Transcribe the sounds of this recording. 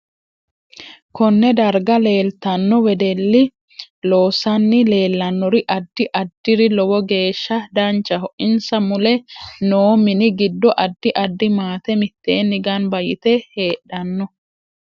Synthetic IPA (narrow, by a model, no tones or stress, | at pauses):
kɔnːɛd̪ɐɾɡɐle̞ːlt̪ɐnːɔwɛd̪ɛlːɪ | lo̞ːsɐnːɪle̞ːlːɐnːɔɾɪʔɐd̪ːɪʔɐd̪ːɪɾɪlɔwɔɡe̞ːʃːɐd̪ɐnt͡ʃːɐɦɔʔɪnsɐmʊlɛnoːmɪnɪɡɪd̪ːɔʔɐd̪ːɪʔɐd̪ːɪmaːt̪ɛmɪt̪ːe̞ːnːɪɡanbɐjɪt̪ɛhe̞ːɗɐnːɔ